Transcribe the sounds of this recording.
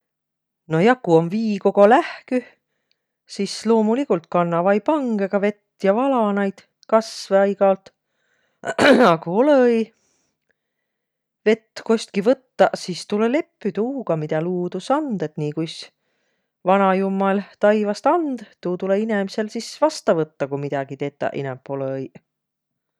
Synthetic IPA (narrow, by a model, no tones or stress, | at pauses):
no̞jɑkuonviːko̞ɡo̞læhky | sislo̞ːmulikult̪̚kɑnːɑvɑjpɑŋɡ̥eɡ̥ɑve̞t̪ːjɑvɑlɑnɑjd̪̥ | kɑsveɑjɡ̥ɑlt̪ | ɑkuolej | ve̞t̪ːko̞sʲt̪kivɤt̪ːɑsist̪ulele̞pːˑyt̪uːɡ̥ɑmid̪̥ɑluːd̪̥usɑnd̪̥et̪niːkujs | vɑnɑjumːɑlt̪ɑjvɑst̪ɑnd̪̥t̪uːt̪uleine̞mise̞lsisvɑst̪ɑvɤt̪ːɑkujmid̪̥ɑɡ̥it̪e̞ːt̪ːˑɑ̰ʔḭnɛmpːˑo̞lej